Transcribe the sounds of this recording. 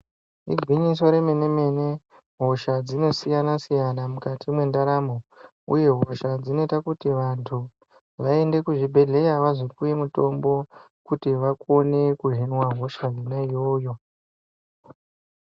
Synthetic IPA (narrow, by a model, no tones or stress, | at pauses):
ḭɡʱwiɲis̬o̞ɾe̞me̞ne̞me̞ne̞ | ɦo̞ʃad͡zino̞sijanasijanamukatʰimwe̞ndaɾamo | ṵje̞ɦo̞ʃad͡zino̞itakutiʋantʰu | ʋae̞nde̞kuʐibʱe̞ɮe̞jaʋazopuje̞muto̞mbo̞ | kutiʋako̞ne̞kuɦinwaɦo̞ʃaɦinajojo̞